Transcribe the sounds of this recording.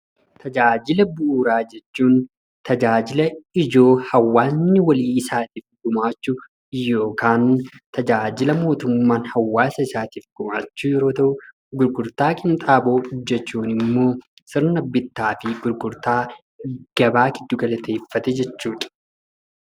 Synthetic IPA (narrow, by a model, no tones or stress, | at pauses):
t̪ʰɐd͡ʒaːd͡ʒɪlɐbuːɾaːd͡ʒɛt͡ʃːuːn | t̪ɐd͡ʒaːd͡ʒɪlɐɪd͡ʒo̞ːhɐwːaːnːɪwɐliːɪsaːt̪iːfɡʊmaːt͡ʃːʊ | jːo̞ːkaːnt̪ʰɐd͡ʒaːd͡ʒɪlɐmo̞ːt̪ʊmːaːnhɐwːaːsɐɪsaːt̪iːfɡ̥ʊma̰ːt͡ʃːuːjɛɾo̞ːt̪ɐʔʊ | ɡʊɾɡʊɾt̪aːkʼɪnt̪ʼaːbo̞ːʊd͡ʒːɛt͡ʃːuːnɪmːo̞ː | sɪɾnɐbːɪt̪ːaːfɪɡʊɾɡʊɾt̪aː | ɡ̥ɐbaːɡɪd̪ːʊɡɐlɐt̪e̞ːfːɐt̪ɛd͡ʒɛt͡ʃːuːᶑɐ̥